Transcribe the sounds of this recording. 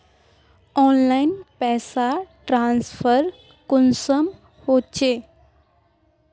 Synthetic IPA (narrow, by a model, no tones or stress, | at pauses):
ɔnlainpɛːsaʈɾãnsfʰəɾ | kunsəm | hot͡ɕe